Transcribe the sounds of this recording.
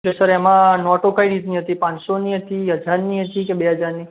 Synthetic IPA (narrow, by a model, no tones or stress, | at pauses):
klesəɾemãnɔʈokaiɽit̪niɦət̪ipãɲsoniɦət̪iɦəd͡ʒʱaɾniɦət̪ikebeɦəd͡ʒʱaɾni